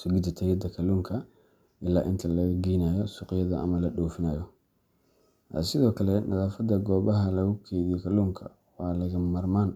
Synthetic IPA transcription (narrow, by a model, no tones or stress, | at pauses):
sʊɡɪd̪ɐt̪ʰɐjɐd̪ɐkʰɐluːŋkʰɐ | ʔɪlːaːʔɪnt̪ʰɐlɐɣɐɡiːnaːjɔsʊqjɐðɐʔɐ̰mɐlɐɗɔːfɪnɐːjɔ | ɐ̰sɪðɔːkʰɐlɛnʔɐ̰ðaːfɐd̪ɐɡɔːβɐɦɐlɐɣʊkʰɛːðijɔkʰɐluːŋkʰɐ̰ | wɑːlɐɣɐmɐrmaːn